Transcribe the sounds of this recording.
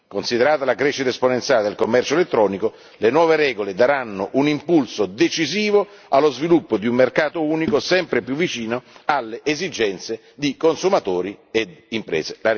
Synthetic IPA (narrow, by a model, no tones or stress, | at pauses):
konsid̪eɾaːt̪alakɾɛʃːit̪aesponent̪sjaːled̪elkomːɛrt͡ʃoelet̪ːɾɔːniko | lenwɔːveɾɛːɡoled̪aɾanːoʔunimpulsod̪et͡ʃiziːvo | alːozvilupːod̪iumːerkaːt̪ouːnikosɛmpɾepjuvːit͡ʃiːnoalːeʔːzid͡ʒɛnt̪se | d̪ikonsumat̪oːɾied̪impɾɛ̰ːzelaɾ